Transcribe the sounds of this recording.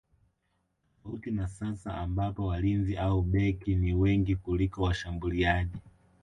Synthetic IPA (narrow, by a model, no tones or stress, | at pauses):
autinasasaambapɔwalinziʔauɓɛkiniwɛŋɡikulikɔwaʃambuliaʄi